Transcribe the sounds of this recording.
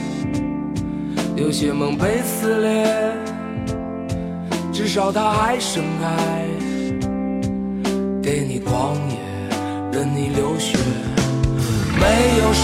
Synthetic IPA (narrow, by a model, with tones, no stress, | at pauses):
ljo˧˥ʊɕɥɛ˧˩mɤ˧˥ŋpe˥ɪsɹ̩˧˥ljɛ˧˥ | ʈ͡ʂɻ̩˥˩ʂɑ˨˩ʊt̪ʰa˥xa˧˥ɪʂə˧˥ŋka˥ɪ | ke˧˥˩ɪni˨˩kwɑ˧˥ŋjɛ˧˦ | ɻə˧˥nni˨˩ljo˧˥ʊɕɥɛ˧˥ | me˧˥ɪjo˨˩ʊʂ